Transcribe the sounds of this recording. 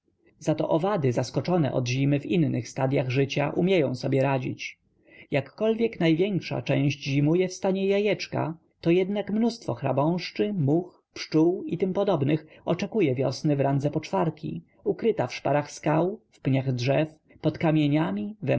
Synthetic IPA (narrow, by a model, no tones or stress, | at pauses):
zat̪ɔ̰ʔɔvad̪ɘzaskɔt͡ʂɔnɛ̰ʔɔ̰d̪ʑimɘvinnɘxst̪ad̪jaɣʐɘt͡ɕa̰ʔumʲjɛjɔ̃w̃sɔbʲjɛɾad͡ʑḭt͡ɕ | jakːɔlvʲjɛknajvʲjɛŋkʂa̰t͡ʂɛ̃w̃ʑd͡ʑʑimujɛfst̪aɲɛjajɛt͡ʂka̰ | t̪ɔjɛd̪nakmnust̪fɔxɾa̰bɔ̃w̃ʂt͡ʂɘmux | pʂt͡ʂuwit̪ɘmpɔd̪ɔbnɘxɔt͡ʂɛkujɛvʲjɔ̰snɘvɾand̪zɛpɔt͡ʂfaɾkʲḭ | ukɾɘt̪afʂpaɾaxskawfpɲaɣdʐɛf | pɔt̪kamʲjeɲamʲivɛ